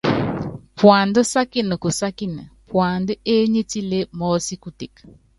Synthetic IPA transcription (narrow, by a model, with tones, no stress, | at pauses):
pwa˨ndɔ˦sa˦kɪ˦˨nə˨ku˨sa˦ki˦na̰˨pwa˨ndɔ˦e˦ɲe˦ti˦le˦mɔ˨˦si˦ku˦ti˨k